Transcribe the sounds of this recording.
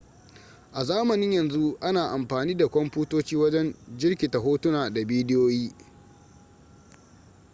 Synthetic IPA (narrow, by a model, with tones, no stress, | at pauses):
ʔa˨zaː˦mɐ˨nɪ˦ɲjɐ˨nzu˦ʔa˦naː˨ʔa˨mɸaː˨niː˦da˨kʷɔ˦mɸuː˦toː˦t͡ʃiː˦wɐ˦d͡ʒɛ˦nd͡ʒɪ˦rkʲiː˨ta˨ɦoː˦tʊ˦naː˨da˨biː˦dɪ˦joː˦jiː˦